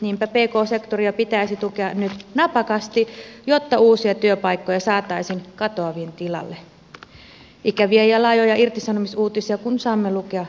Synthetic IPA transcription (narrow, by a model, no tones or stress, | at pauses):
niːmpæpeːko̞ːsekt̪oriɑpit̪æisit̪ukeɑnyt̪nɑpɑkɑst̪ijot̪ːɑuːsiɑt̪yøpɑikːojɑsɑːt̪ɑisinkɑt̪oɑʋient̪ilɑ̰lːe | ʔikæʋiejɑlɑjojɑirt̪isɑnomisuːt̪isiɑkunsɑːmːelukeɑ